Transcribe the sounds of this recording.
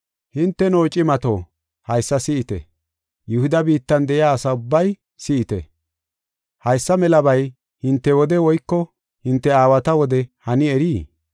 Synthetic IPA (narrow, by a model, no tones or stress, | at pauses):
hɪnt̪ːɛnoːt͡ʃʼɪmɐt̪o̰ː | hɐjsːɐsɪɪt̪ɛ̰ | jʊhʊd̪ɐbiːt̪ːɐnd̪ɛʔɪaːsɐʊbːɐj | sɪʔɪt̪ɛ̰ | hɐjsːɐmɛlɐbɐj | hɪnt̪ːɛwɔd̪ɛwɔjkːɔ | hɪnt̪ːɛaːwɐt̪ɐwɔd̪ɛhɐnɪɛɾiː